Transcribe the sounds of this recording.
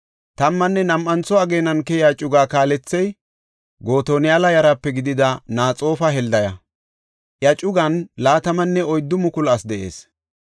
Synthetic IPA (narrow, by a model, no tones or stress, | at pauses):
t̪ɐmːɐnːɛnɐmʔɐnt͡sːɔɐɡeːnɐnkɛjaːt͡ʃʼʊɡaːkaːlɛt͡sːɛj | ɡo̞ːt̪oːnɪjalɐjɐɾɐpːɛɡɪd̪ɪd̪ɐnaːt͡sʼo̞ːfɐɦɛld̪ɐjɐ | ʔjɐt͡ʃʼʊɡɐnlaːt̪ɐmɐnːɛɔjd̪ːʊmʊkʊlɐsd̪ɛʔe̞̰ːs